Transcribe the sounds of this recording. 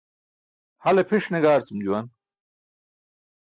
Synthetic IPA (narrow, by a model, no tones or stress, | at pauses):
hɐlepʰiʂneɡaːɾt͡sumd͡ʑuwɐn